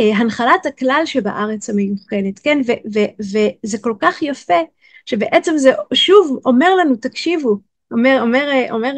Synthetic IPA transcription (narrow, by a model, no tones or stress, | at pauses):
ɦanχalataklalʃebaʔaʁet͡samejuχe̞netkenvevevezeko̞lkaχjafe | ʃe̞beʔet͡semzeʔʃuvo̞me̞ʁlanutakʃivu | omeʁomeʁʔo̰meʁ